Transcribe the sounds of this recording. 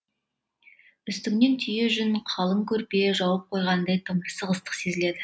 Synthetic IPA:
ʏst̪ɪŋne̞nt̪ʰʏje̞ʒʏnqʰɑlˠəŋkʲʰɵɾpe̞ʒɑwəp̚qʰo̞jʁɑnd̪ɑjt̪ʰəməɾsəʁəst̪ə̥qse̞zɪle̞d̪ɪ

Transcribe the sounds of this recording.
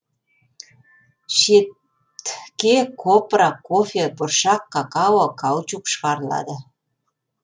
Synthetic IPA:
ʃe | kekʰoprɑkofʲeburʃɑkːɑkɑwokɑwt͡ɕukʃɣɑrlɑ̰d̪ə̆

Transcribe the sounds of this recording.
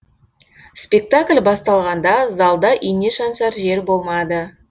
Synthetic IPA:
spʲe̞k̚t̪akʲlʲbɑst̪ɑlˠʁɑnd̪ɑzɑlˠd̪ɑʔijne̞ʃɑnʃɑɾʒe̞ɾbo̞lˠmɑd̪ə

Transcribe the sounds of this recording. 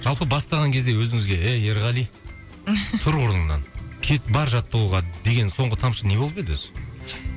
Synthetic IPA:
ʒ̥ɑlˠpəbɑst̪ɑʁɑŋkʲʰe̞zd̪e̞wɵzɪŋɪzɡʲe̞eje̞ɾʁɑlˠij | t̪ʰʊɾwoɾənənːɑ̰nkʲʰe̞t̪bɑɾʒɑt̪ːəluʁɑd̪e̞ɡʲe̞nso̞ɴʁət̪ʰɑmʃənebo̞lˠpe̞d̪ɪɵz

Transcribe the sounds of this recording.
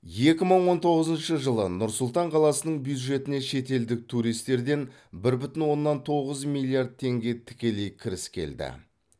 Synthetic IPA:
je̞kʲɪməɴwo̞nt̪ʰo̞ʁəzənʃəʒəlˠənʊɾsʊlˠt̪ɑɴqʰɑlˠɑsənəɴbjud̪ʒe̞t̪ɪne̞ʃe̞t̪e̞ld̪ɪk̚t̪ʰuɾijst̪e̞ɾd̪e̞n | bɪɾbʏt̪ɪnwo̞nːɑnt̪ʰo̞ʁəzmilʲˠiaɾd̪̚t̪ʰːe̞ŋɡʲe̞t̪ʰɪ̥kʲe̞le̞jkʲʰɪɾɪskʲʰe̞̰ld̪ɪ̰

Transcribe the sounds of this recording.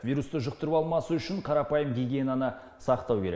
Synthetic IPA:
vijɾust̪əʒəq̚t̪əɾəpɑlˠmɑsəʏʃɪɴqʰɑɾɑpɑjəmɡʲiɡʲienɑnə | sɑqt̪ɑwkʲʰe̞ɾḛk

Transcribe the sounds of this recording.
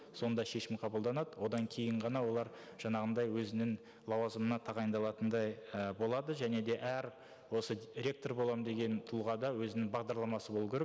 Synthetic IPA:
so̞nd̪ɑʃe̞ʃɪmqʰɑbəlˠd̪ɑnɑd̪əwo̞d̪ɑŋkʲʰe̞jɪɴʁɑnɑwo̞lˠɑɾ | ʒ̥ɑɴɑʁənd̪ɑjwɵzɪnɪŋ | lˠɑwɑzəmənɑt̪ʰɑʁɑjnd̪ɑlˠɑt̪ənd̪ɑjəbo̞lˠɑd̪əʒæne̞d̪e̞ʔæɾ | wo̞səiɾʲe̞k̚t̪o̞ɾbo̞lˠɑmd̪e̞ɡʲe̞nt̪ʰʊlˠʁɑd̪ɑwɵzɪnɪŋbɑʁd̪ɑɾlˠɑmɑsəbolˠəɡʲʏɾɪ

